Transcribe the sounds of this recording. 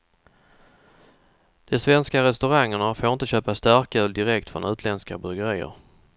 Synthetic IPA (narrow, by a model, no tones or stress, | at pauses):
d̪̥ɛsvɛnskaɾɛst̪ɵɾaŋːəɳafoːɾɪnt̪əɕøːpast̪æɾkʉ̟ːld̪ɪɾɛkt̪fɾɔ̰nʔʉ̟ːt̪ʰlɛnska̰bɵɡəɾiːə̰ɾ